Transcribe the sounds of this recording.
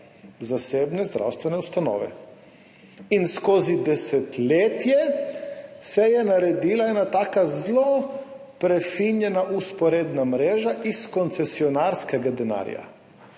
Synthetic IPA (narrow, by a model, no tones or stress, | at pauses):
zasebnezd̪ɾa̰wst̪ʋeneust̪ano̰ːʋḛ | inskozid̪eset̪lʲet̪je | sejenaɾed̪iːlajenat̪akazlˠo | pɾefiɲenaʔuspoɾed̪namɾeːʒaʔisko̞nt̪sesionaɾskeɡad̪ena̰ːɾḭja̰